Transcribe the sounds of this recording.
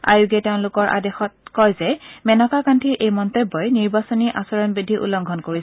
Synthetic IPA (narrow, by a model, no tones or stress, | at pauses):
a̰juɡɛteʊ̃lʊkɔɹʔa̰dexɔt̚kɔjzɛmɛnɔkakantʰiɹʔejmɔntebːɔjniɹbasɔniʔasɔɹɔnbɹidʱiʔṵlːɔŋɡʱɔnkoɹisɛ